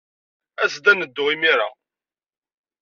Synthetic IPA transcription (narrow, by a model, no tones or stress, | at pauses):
æsd̪ænəd̪ːʊʁimiɾa̰